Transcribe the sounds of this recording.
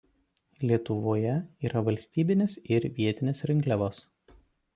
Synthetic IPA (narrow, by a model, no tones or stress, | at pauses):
lʲiɛt̪ʊʋoːjɛiːɾɐʋɐlʲsʲt̪ʲiːbʲɪnʲeːsɪɾʋʲiɛt̪ʲɪnʲesɾʲɪŋʲklʲɛʋoːs